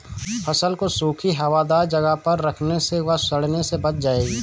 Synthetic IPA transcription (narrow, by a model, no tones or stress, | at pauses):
pʰɐsəlkosuːkʰiɦɐʋaːd̪aːɾd͡ʒɐɡəɦpɐɾːɐkʰneseʋɐɦsɐɽnesebɐt͡ʃʰd͡ʒaːeːɡiː